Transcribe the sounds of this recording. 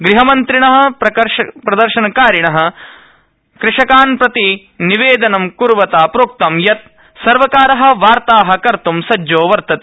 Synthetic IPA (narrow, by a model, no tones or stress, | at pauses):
ɡɾiɦɐmɐnt̪ɾiɳɐɦɐ̆ɾɐɐɾpɾɐd̪ɐɾʃɐnɐkaːɾiɳɐɦɐ̆ | kɾɪʂɐkaːnpɾɐt̪i | niʋeːd̪ɐnɐmkuɾʋɐt̪aːpɾoːk̚t̪ɐmjɐt̪̚ | sɐɾʋɐkaːɾɐɦɐ̆ʋaːɾt̪aːɦɐkɐɾt̪umsɐd͡ʒoːʋɐɾt̪ɐt̪e̥